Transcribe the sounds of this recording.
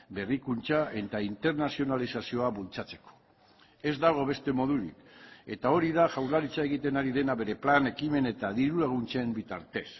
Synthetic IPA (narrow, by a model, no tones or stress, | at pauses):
be̞rikunt͡ʃaʔe̞t̪aint̪e̞ɾnasio̞nalisasio̞aβult͡sat͡se̞̥ko̥ | e̞zd̪aɣ̞o̞βe̞st̪e̞mo̞ð̞uɾḭke̞t̪ao̞ɾiðaʝawɾðlaɾit͡sae̞ɣ̞it̪e̞naɾiðe̞naβe̞ɾe̞plane̞kime̞ne̞t̪aðiɾulaɣ̞unt͡ʃembit̪a̰ɾt̪e̞s